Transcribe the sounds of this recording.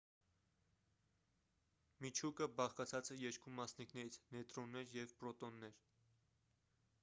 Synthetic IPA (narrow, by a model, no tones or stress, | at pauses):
mit͡ʃʰukəbɑχkɑt͡sʰɑt͡sɛjɛɾkumɑsniknɛɾit͡sʰnɛt̪ɾɔnːɛɾjɛvpɾɔt̪ɔnːɛɾ